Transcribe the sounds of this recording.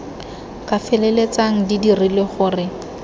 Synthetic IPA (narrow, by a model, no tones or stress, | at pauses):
kʼafɛlɛlet͡saŋ̩didirileχʊːrɪ